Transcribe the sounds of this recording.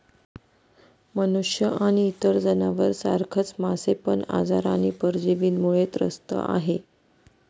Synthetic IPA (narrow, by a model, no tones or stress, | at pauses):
mənuʂjəʔaɽ̃iːt̪əɾd͡zənaʋəɾsaɾkʰət͡smasepəna̰d͡zaɾaɽ̃ipəɾd͡ʑiʋiːnmuɭet̪ɾə̰st̪ə̰ʔa̰ɦe